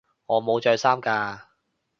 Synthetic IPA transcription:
ŋɔː˨˧mo˨˧wt͡ʃœː˧jsaː˥mkaː˧

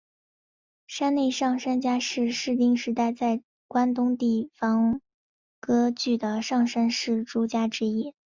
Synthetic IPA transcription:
ʂa˥nne˥˧ɪʂɑ˥˩ŋʂa˥nt͡ɕja˥ʂɻ̩˥˧ʂɻ̩˥˩t̪i˥ŋʂɻ̩˧˥t̪a˥˧ɪt͡sa˥˩ɪ | kwa˥nt̪ʊ˥ŋt̪i˥˩fɑ˧˥ŋ | kɤ˥t͡ɕy˥˩d̪ə˩ʂɑ˥˩ŋʂa˥nʂɻ̩˥˩ʈ͡ʂu˥t͡ɕja˥ʈ͡ʂɻ̩˥i˥

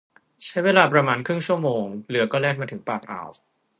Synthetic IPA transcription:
t͡ɕʰa˦˥jweː˧laː˧pɾa˧maː˧nkʰɾɯ˥˩ŋt͡ɕʰu˥˩əmoː˧ŋlɯ˨˩˦ɐkɔː˥˩lɛː˥˩k̚maː˧t̪ʰɯ˩˦ŋpaː˨˩k̚ʔa̰˨˩w

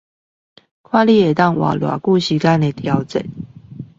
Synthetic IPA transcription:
kʰwa˥˨li˥˧˨e˨˩t̪ɑ˥˨ŋwa̰˨˩lwa̰˨˩ku˥˨ɕi˧˥ka˥ne˨˩t̪ʰjɑ˨˦ʊt͡sə̰˨˦n

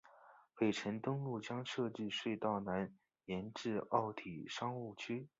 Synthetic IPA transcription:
pe˨˩ɪʈ͡ʂʰə˧˥nt̪ʊ˥ŋlu˥˩t͡ɕjɑ˥ŋʂɤ˥˧ʈ͡ʂ̩˥˧ʂwe˥˧ɪt̪ɑ˥˩ʊna˧˥n | jɛ˧˥nʈ͡ʂɻ̩˥˧ɑ˥˩ʊt̪ʰi˨˩ʂɑ˥ŋu˥˩t͡ɕʰy˥

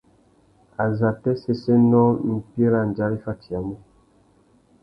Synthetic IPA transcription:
a˨za˨tɛ˦sɛ˦sɛ˦nɔ˦m̩˨pi˦e˦ɾa˨n˨d͡ʒa˦ɾi˦fa˦ti˨a˨mɔ˦

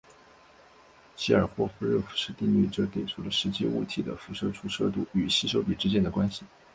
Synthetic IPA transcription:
ɕi˥ə˞˨˩xwɔ˥fu˥ɻɤ˥˩fu̥˨˩ʂɻ̩˥˧t̪i˥˧ŋly̰˥˩ʈ͡ʂɤ˥˧t̪e˨˩ɪʈ͡ʂʰu˥˩lə˨ʂɻ̩˧˥t͡ɕḭ˥ṵ˥˩t̪ʰi˧˥˩d̪ə̰˨fu˧˥ʂɤ˥ʈ͡ʂʰu˧˥ʂɤ˥˧t̪̬u˥˩y˨˩ɕi˥ʂo˥ʊpi˨˩ʈ͡ʂɻ̩˥t͡ɕjɛ˥nd̪ə˩kwa˥nɕi˨

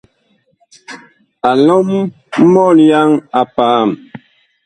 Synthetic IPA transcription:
a˨lɔ˦m̩˦ | mɔ˦˨lja˦ŋa˨paː˨˦˨m

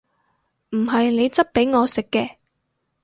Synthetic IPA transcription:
m̩˨˩ɦɐ˨jne˨˧jt͡sɐ˥t̚pe˨˥jŋɔː˨˧sɪ˨kːɛː˧

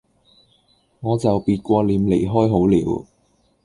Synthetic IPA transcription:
ŋɔː˨˧t͡sɐ˨wpiː˧t̚kʷɔː˧liː˨˧mle˨˩jɦɔː˥jɦo˨˥wlḭː˨˥w

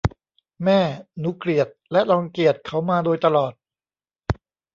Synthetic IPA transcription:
mɛː˥˩nu˦˥kli˨˩ət̪̚lɛ˦˥ʔlɔː˧ŋki˨˩ət̪̚kʰa˩˦˥wmaː˧doː˧jt̪a˧lɔː˨˩t̪̚

